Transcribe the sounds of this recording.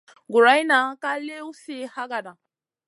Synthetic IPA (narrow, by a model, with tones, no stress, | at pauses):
ɡʊ˨ɾa˨˦i˦na˨˦ka˦le˦u˦si˦ha˦ɡa˨da˨